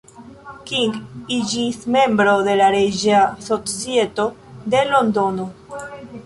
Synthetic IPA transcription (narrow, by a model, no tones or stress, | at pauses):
kiŋɡid͡ʒisme̞mbɾo̞ðe̞laɾed͡ʒasosjet̪o̞ | d̪elo̞nd̪o̞no